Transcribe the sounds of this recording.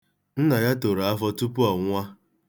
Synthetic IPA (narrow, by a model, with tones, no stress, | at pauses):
n̩˦na˨ja˦to˨ɾa˨a˦fɔ˦tu˦pu˦a˨ŋʷa˦